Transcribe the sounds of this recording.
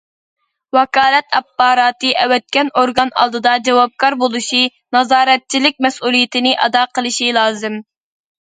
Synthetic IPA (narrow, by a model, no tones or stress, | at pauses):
wɑkɑːlˠɛt̪ɛpːɑːɾɑːt̪ɨʔɛwɛt̪̚kʲɛnoɾɡɑnɑ̰lˠd̪ɨd̪ɑd͡ʒɛwɑb̚kʰɑɾbolˠuʃinɑzɑːɾɛt̪̚t͡ʃʰilɪk̚ʲmɛsulˠijɪt̪ʰɪnɪʔɑ̰d̪ɑːqʰəlˠɨʃilˠɑːzɨm